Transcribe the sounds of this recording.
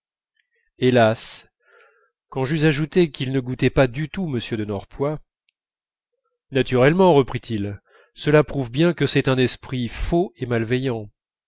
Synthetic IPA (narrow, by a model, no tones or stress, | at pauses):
elas | kɑ̃ʒyzaʒut̪ekilnəɡut̪ɛpad̪yt̪uməsjød̪ənɔʁpwa | nat̪yʁɛlmɑ̃ʁəpχit̪ʰil | səlapχuvbjɛ̃kəsɛt̪ɛ̃nɛspχifoemalvɛjɑ̃